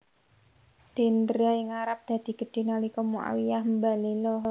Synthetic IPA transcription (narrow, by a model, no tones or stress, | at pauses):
d̪̥i̤nd̪ɾaiŋaɾap̚d̪̥a̤d̪̥i̤ɡ̥ə̤ɖ̪̥e̤nalikɔmua̰wijahmbalilɔɦ